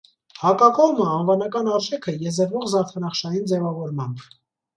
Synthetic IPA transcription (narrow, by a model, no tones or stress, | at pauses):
hɑkɑkɔʁməɑnvɑnɑkɑnɑɾʒɛkʰəjɛzəɾvɔʁzɑɾt̪ʰənɑχʃɑjind͡zɛvɑvɔɾmɑn